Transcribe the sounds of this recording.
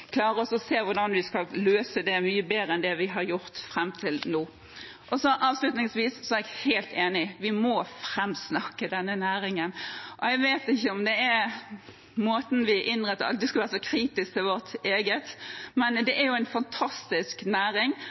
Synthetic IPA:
kʰlɑːɾəɔsɔseːʋʊʁɖɑnʋɪskɑlløːsəd̪ɛmyːəbeːɾəɛnd̪ɛʋɪɦɑɾjʊɾt̪fɾɛmːt̪ʰɪlnuː | ʔɔsɔʔɑːʋslʉt̪nɪŋsʋiːssɔɛæɾɛɡheɪlt̪eːnɪʋɪmɔfɾɛmːsnɑkːəd̪ɛnːənæːɾɪŋənʔɔæɡʋeːt̪ɪçːəɔmd̪ɛæɾ | moːt̪n̩ʋɪʔɪnʁɛt̪ːəɾɑ̰d̪ɛskɑlʋæːɾsɔkʰɾiːt̪ɪskt̪ɪʋɔɾt̪eːɡət̪mɛnd̪ɛʔæɾjʊæɪnfɑnt̪ʰɑst̪ɪsknæːɾɪŋ

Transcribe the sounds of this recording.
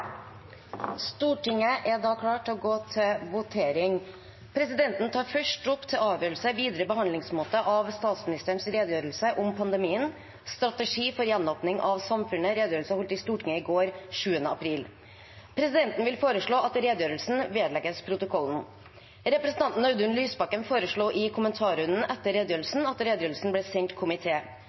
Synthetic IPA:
st̪uːʈɪŋːəʔɛɖ̪ɑːkʰlɑːʈɔɡoːt̪ʰɪlʋʊt̪ʰeːɾɪŋ | pʰɾɛsɪd̪ɛnt̪n̩t̪ʰɑːɾfœʂʈʊpːt̪ʰɪlɑːʋjøːɾlsəʋiːd̪ɾəbəɦɑnd̪lɪŋsmoːt̪əʔɑʋst̪ɑːt̪smɪnɪst̪əɾnsɾeːd̪jøːɾəlsəʔʊmpʰɑnd̪ɛmiːən | st̪ɾɑt̪əʂiːfɔɾjɛnoːpnɪŋʔɑʋsɑmfʉnːəɾeːd̪jøːɾəlsəpʊlt̪ɪst̪uːʈʰɪŋəɪɡoːɾʂʉːənəɑpʰɾiːl | pʰɾɛsɪd̪ɛnt̪n̩ʋɪlfoːɾəʂɭoːʔɑt̪ɾeːd̪jøːɾəlsn̩ʋeːd̪lɛɡəspʰɾʊt̪ʊkʰɔlːn̩ | ɾɛpɾɛsn̩t̪ʰɑnt̪n̩œʉd̪ʉnlyːsbɑkːənfoːɾəʂɭoːʔɪkʰʊmənt̪ʰɑːɾʉnən̩ʔɛt̪ːəɾeːd̪jøːɾəlsn̩ɑt̪ɾeːd̪jøːɾl̩sn̩blɛːsɛŋt̪kʰʊmɪt̪ʰeː

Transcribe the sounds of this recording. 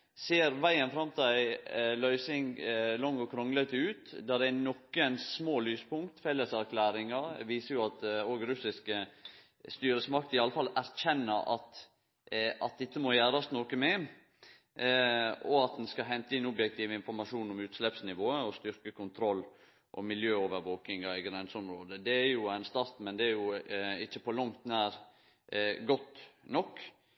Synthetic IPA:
seːɾʋæɪənfɾɑmt̪ʰɪlæɪlœʏsɪŋlɔŋːɔkʰɾɔŋlət̪ʉːt̪d̪æd̪ænɔkːənssmoːlyːspʊŋkt̪fɛlːəsæɾkʰlæːɾɪŋɑɾʋiːsəɾjʊɑt̪oːɡɾʉsɪskə | st̪yːɾəsmɑk̚t̪ɪɑlːəfɑlæɾçɛnːəɾɑ̰t̪ | ɑt̪̚d̪ɛt̪ːəmɔjæːɾɑst̪nɔkəmɛ | ɔɑt̪̚d̪ɛnskɑɦɛnt̪əɪnɔbjɛk̚t̪ʰiːʋəɪnfɔɾmɑʂuːnʊmʉːt̪slɛpsnɪʋoːəɔst̪ʏɾkəkʰʊnt̪ʰɾɔlː | ʔɔ̰mɪljøːoːʋəɾʋoːkɪŋɑɪɡɾɛnsɔmɾoːd̪əd̪ɛæɾjʊæɪnst̪ɑɾt̪mɛnd̪ɛæɾjʊɪt͡ʃːəpɔlɑŋt̪næːɾ | ɡɔt̪ːnɔkː

